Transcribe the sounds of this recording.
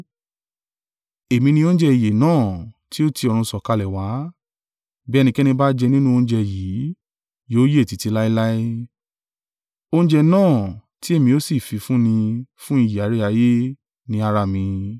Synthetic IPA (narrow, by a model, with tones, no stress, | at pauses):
e˨mĩ˧nĩ˧õ˦n̩˦d͡ʒɛ˧i˨je˨nãː˦˨ti˦o˦ti˧ɔ˧ɾ̃ũ˧sɔ˨ka˧lɛ˨wa˨˦ | bɛ˦˧nĩ˧kɛ˦nĩ˧ba˦d͡ʒɛ˧nĩ˦nũ˦õ˧˦d͡ʒɛ˧˨jiː˨˦ | joː˨˦je˦˨ti˨˧ti˧la˦i˦la˦i˦ | o˧ñ˦d͡ʒɛ˧nãː˦˨ti˦e˦˨mĩ˧o˦si˦˨fi˧fũ˦nĩ˧fũ˦i˦˨je˨a˨˦ɾe˦a˧˦je˦ | nĩ˧˦a˧ɾa˧˨mĩ˧